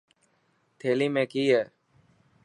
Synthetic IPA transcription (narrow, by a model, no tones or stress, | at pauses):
t̪ʰeːliːmẽːkiːɦɛː